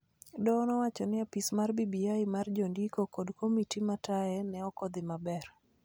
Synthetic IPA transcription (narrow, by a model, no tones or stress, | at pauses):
dɔnɔwat͡ʃɔnɪapismarbibiaɪmard͡ʒondikokodkomitimataɛnɛɔkɔd̪ɪmabɛr